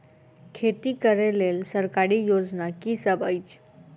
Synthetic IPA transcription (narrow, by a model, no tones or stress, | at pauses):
kʰet̪ikəɾelelsəɾkaɾijod͡ʒnakisəbəjt͡ʃʰ